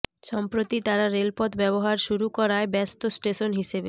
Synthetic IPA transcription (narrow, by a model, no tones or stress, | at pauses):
ʃɔmpɾot̪it̪aɾaɾelpɔt̪bɛboɦaɾʃuɾukɔɾaebɛst̪osʈeʃonɦiʃebe